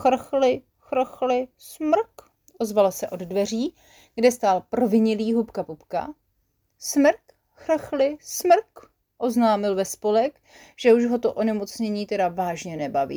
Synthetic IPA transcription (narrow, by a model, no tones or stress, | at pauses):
xr̩xlɪ | xrxlɪ | smr̩k | ʔo̞zvalsɛʔo̞ddvɛr̝iː | ɡ̥dɛst̪aːlprovɪɲɪliːɦupkapupka̰ | smr̩k | xr̩xlɪsmr̩k | ʔo̞znaːmɪlvɛspo̞lɛk | ʒ̥ɛuʒɦo̞t̪oʔo̞nɛmo̞t͡sɲɛɲiːt̪ɛdavaːʒɲɛnɛbavḭː